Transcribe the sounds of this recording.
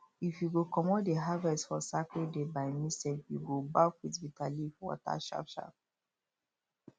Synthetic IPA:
ifjuɡokɔmɔtdeɦavɛstfɔsakɛdebaɪmisɛjṵɡobakwitvitalifwɔ̰ta̰ʃa̰fʃa̰p̚

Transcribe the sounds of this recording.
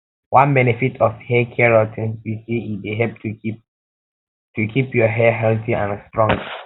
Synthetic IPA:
wãnbɛnɛfitʰɔfhɛkʰɛɹɔtʰĩnsjisiideɦɛp̚tu | tukʰipjɔɦɛɦɛlθiʔãnstɹɔ̃ŋɡ

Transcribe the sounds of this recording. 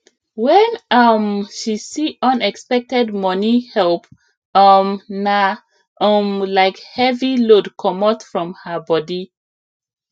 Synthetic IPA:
wɛ̃nʌmʃisiʔʌ̃nɛkspɛk̚tɛd̚mɔnihɛlp | ʌmna | ʔɔmlaɪkhɛvilodkʰɔmɔtfɹɔ̃mhəbɔdi

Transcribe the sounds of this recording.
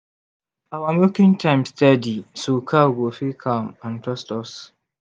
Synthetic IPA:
ʔawamʊkɪ̃ntamstadisukʰaɡoːfikʰamãntɔstɔs

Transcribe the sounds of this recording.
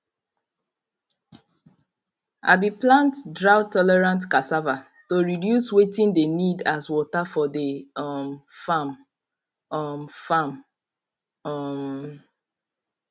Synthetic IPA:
a̰biplãntdɹaʊtɔlɛɹãntkasava | toɹidjuswetĩndenidaswɔtafɔdeɔmfam | ɔmfam | m

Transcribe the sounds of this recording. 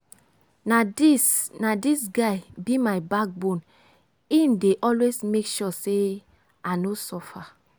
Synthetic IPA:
nadisnadisɡaɪbimaɪbak̚bõn | ĩndeʔɔlwesmekʃɔse | anosɔfa

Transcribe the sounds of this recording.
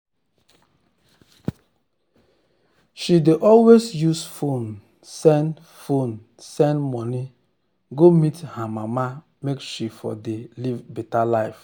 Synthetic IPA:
ʃideʔɔlwesjusfõn | sɛ̃nd | fõn | sɛ̃nmɔ̃ni | ɡomithamama | mekʃifɔ̰delivbɛtalaɪf

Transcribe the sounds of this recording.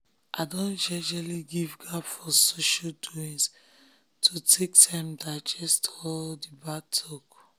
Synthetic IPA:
ʔadõnʃɛd͡ʒɛliɡivɡapfɔsoʃalduĩŋs | tʰutʰek̚tʰãɪ̃mdad͡ʒɛstɔldibak̚tʰɔk

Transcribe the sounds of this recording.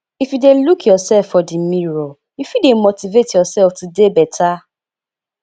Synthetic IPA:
ifjudelukjɔsɛlfːɔdimiɹo | jufidemotivetjɔsɛlftudebɛtʰa

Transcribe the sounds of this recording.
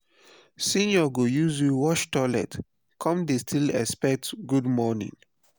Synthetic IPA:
sĩnjɔɡojuzjuwɔʃtɔlɛ̰t | kʰɔ̃mdestʰilɛ̰spɛk̚tɡudmɔnḭ̃ŋ

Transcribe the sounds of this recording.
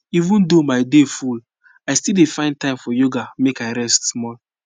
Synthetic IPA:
ivũndomaɪdeful | aɪstildefãɪ̃n̚tãɪ̃mfɔjoɡamekaɪɾɛstsmɔl

